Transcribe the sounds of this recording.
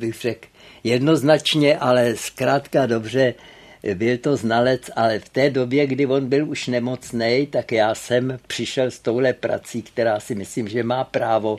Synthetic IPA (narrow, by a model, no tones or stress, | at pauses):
bɪxr̥ɛkjɛdno̞znat͡ʃɲɛʔalɛskɾaːt̪kado̞br̝ɛ | bɪlt̪o̞znalɛt͡sʔalɛft̪ɛːdo̞bjɛɡdɪvo̞nbɪluʃnɛmo̞t͡snɛjt̪akjaːsɛmpr̝̥ɪʃɛlst̪o̞wɦlɛpɾa̰t͡siːkt̪ɛɾaːsɪmɪsliːmʒɛmaːpɾaːvo̞